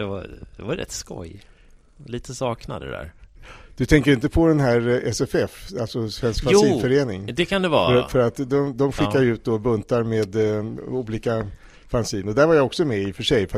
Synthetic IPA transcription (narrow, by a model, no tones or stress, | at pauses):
d̥̪ɛva̰d̪ɛvaɾɾɛ̰t̪ːskɔ̰j | liːt̪ʰəsɑːkna̰d̪ə̰d̪æ̰ɾd̪̥ɵt̪ʰɛŋkəɾɪnt̪əpʰɔd̪ɛnɦæːɾɛsɛfɛfalsɔsvɛnskfasiːnfœɾeːnɪŋd̪ɛkʰand̪ɛvɑ̰ːfɾfœɾat̪d̪ɔmd̪ɔmɧɪkːaɾjʉ̟ːt̪̚d̪oːbɵnt̪aɾmeːd̪uːliːka | fansiːnɔd̪æɾvaɾjaɔksɔmɛɪfœʂɛjf